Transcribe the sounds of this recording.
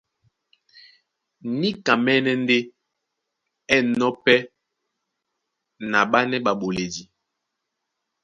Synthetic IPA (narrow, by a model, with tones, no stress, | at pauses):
ni˦ka˨mɛ˦nɛ˦n˦de˦ | ɛ˦˨nɔ˦pɛ˦ | na˨ɓa˦nɛ˦ɓa˨ɓo˨le˨di˨